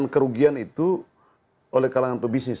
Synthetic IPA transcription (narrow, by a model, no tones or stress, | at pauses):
nkəɾuɡianit̪u | olɛhkalaŋanpəbisnɪs